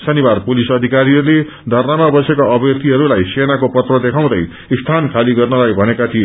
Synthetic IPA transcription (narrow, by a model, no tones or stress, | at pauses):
sʌnibarpulisʌd̪ʱikaɾiʌɾule | d̪ʱʌrnamabʌsekaʌbjʌk̚t̪iɦʌɾulajsenakopʌt̪rʌd̪ekʰaw̃d̪ʌj | st̪ʰankʰaliɡʌrnʌlaɡbʱʌnekat̪ʰie